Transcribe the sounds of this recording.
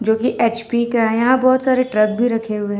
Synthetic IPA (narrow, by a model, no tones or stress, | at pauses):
d͡ʒoːkiʔeːt͡ʃpikaɦɛ̃jɐɦãbɔːt̪saːɾeʈɾɐk̚bʱiɾɐkʰeɦʊeɦɛ̃